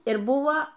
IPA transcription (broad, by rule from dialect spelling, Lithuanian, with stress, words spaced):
ɪr ˈbuɔ